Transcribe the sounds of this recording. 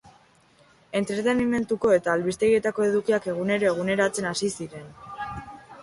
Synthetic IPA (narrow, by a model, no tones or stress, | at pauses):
e̞nt̪ɾe̞t̪e̞nime̞nt̪uko̞e̞t̪aːlβist̪e̞ɣie̞t̪ako̞e̞ðukiake̞ɣ̞une̞ɾo̞e̞ɣ̞une̞ɾat͡se̞nasisiɾe̞n